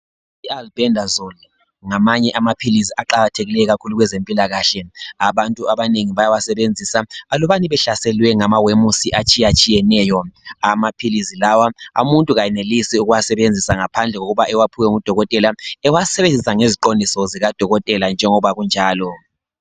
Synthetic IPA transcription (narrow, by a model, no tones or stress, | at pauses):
ialbɛndʱazɔl | ŋamaɲɛʔamapʰiliziaǃaɣatʰeɣilɛɣakʰuluɣwɛzempʼilaɣaɬɛaβantʼuaβaneŋiβajawasɛβend͡zʱisaːlɔβaniβɛɬasɛlwɛŋamawemusiʔat͡ʃʼijat͡ʃʼijɛnɛjɔamapʰilizilawaa̰muntʼuɣajɛnelisiuɣuwasɛβend͡zʱisaŋapʰand͡ɮʱɛɣoɣuβaʔɛwapʰuwɛŋud̥ʱɔɣɔtʼɛlaɛwasɛβend͡zʱisaŋeziǃondʱisɔziɣad̥ʱɔɣɔtʼɛland͡ʒʱɛŋɔβaɣund͡ʒʱaːlɔ